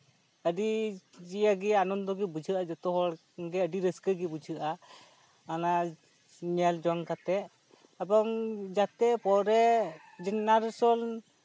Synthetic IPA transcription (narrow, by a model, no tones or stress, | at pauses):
əɖid͡ʒijaɡɛanɔnd̪ɔɡɛbud͡ʒʱɯʔad͡ʒɔt̪ɔɦɔɽ | ɡɛəɖiɾəskəɡɛbud͡ʒʱɯʔa | ana | niald͡ʒɔŋkat̪ɛ | abɔŋd͡ʒat̪ɛpɔɾɛ | d͡ʒinnaɾsɔl